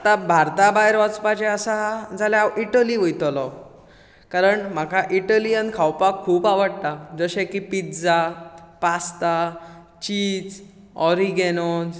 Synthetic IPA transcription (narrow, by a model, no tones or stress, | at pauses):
at̪abʱaɾt̪abajeɾʋat͡spat͡ɕeəsad͡zʱaljaaiʈəliʋəjt̪ɔlɔ | kaɾəɳm̤akaʔiʈəlijənkʰawpakʰːuːpaʋəɽt̪ad͡zəɕekipit̪d͡zapast̪a | t͡ɕiːt͡s | ɔɾiɡenon